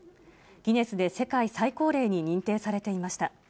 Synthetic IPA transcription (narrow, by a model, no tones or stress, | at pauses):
ɡ̥ʲine̞sɨd̪e̞se̞kaisaiko̞ːɾe̞ːɲ̟iɲ̟ĩnt̪e̞ːsaɾe̞t̪e̞imaɕi̥t̪a